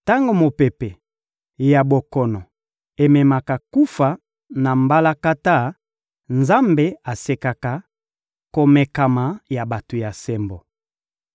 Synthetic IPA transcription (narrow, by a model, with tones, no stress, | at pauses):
ta˦ŋɡo˨mo˨pe˨pe˨ | ja˨bo˨kɔ˨nɔ˨ | e˨mɛ˨ma˨ka˨ku˦fa˨ | na˨mba˦la˦ka˦ta˦ | nza˦mbe˦a˨se˨ka˨ka˨ | ko˨mɛ˨ka˨ma˨ja˨ba˨to˨ja˨sɛ˦mbo˨